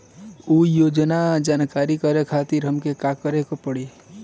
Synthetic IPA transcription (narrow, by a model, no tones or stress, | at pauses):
uːjoːd͡ʒnad͡ʒaːnkaːɾikəɾekʰaːt̪iɾɦəmkekaːkəɾekopəɽe